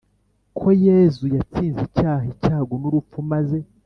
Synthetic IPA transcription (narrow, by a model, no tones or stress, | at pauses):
kʰo̞jezujat͡siːnzicaːɦicaːɡonuɾup̪fumaze̞